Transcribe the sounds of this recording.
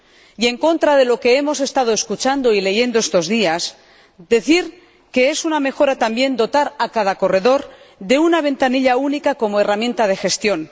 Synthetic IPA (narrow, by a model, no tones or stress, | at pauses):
je̞ŋko̞nt̪ɾaðe̞lo̞ke̞emo̞se̞st̪að̞o̞eskut͡ʃand̪o̞ile̞ʝe̞nd̪oest̪o̞zðias | d̪e̞θiɾ | ke̞e̞suname̞xo̞ɾat̪ambje̞nd̪o̞t̪aɾakað̞ako̞re̞ðo̞ɾ | ðe̞unaβ̞e̞nt̪aniʎaunikako̞moe̞ramjẽ̞nt̪að̞e̞xe̞st̪jo̞n